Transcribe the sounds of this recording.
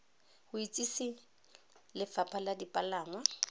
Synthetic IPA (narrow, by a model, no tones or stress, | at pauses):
hʊit͡sʼisi | lɪfapʰaladipʼalaːŋwa